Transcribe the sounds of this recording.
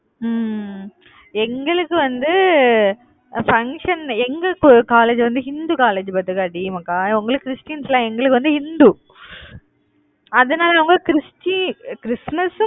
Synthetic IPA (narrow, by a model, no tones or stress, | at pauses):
m | ɛŋɡɐɭɯkːɯʋɐnd̪ɯ | fɐŋkʂɐnɛŋɡɐkaːleːd͡ʒʋɐnd̪ɯɦɪnd̪uːkaːleːd͡ʒbɐt̪ːɯkaɐɖɪjɐmɐkːaːʊŋɡɐɭɯkːkɾɪsʈɪjɐnslãːɛŋɡɐɭɯkːɯʋɐnd̪ɯhɪnd̪uː | ɐðɐnaːlɐɐʋɐŋɡɐkɪɾɪsʈikɪɾɪsmɐs